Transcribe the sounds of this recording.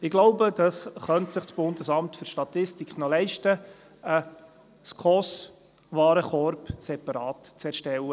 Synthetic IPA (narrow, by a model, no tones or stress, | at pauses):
ɪɡloʊbəd̥ɑsχœntsɪχsb̥ʊndəsɑmtfʏɾʃtɑt̪ɪstikχnɔlɛɪʃtə | ə | skʰɔs | ʋɑːɾəχɔɾpsɛpɑɾɑːtt͡sɛɾʃtɛlːə